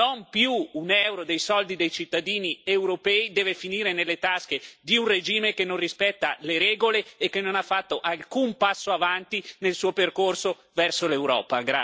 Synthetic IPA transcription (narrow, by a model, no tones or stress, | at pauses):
nompjuːnɛwɾod̪ejsɔld̪id̪ejt͡ʃit̪ːad̪iːniewɾopɛːid̪ɛːvefiniːɾenelːet̪asked̪iunred͡ʒiːmekenːõnrispɛt̪ːaleɾɛːɡoleːkːenːonafːat̪ːoʔalkumpasːoavant̪inelsuːoperkorso | vɛrsolewɾɔ̰ːpaɡɾa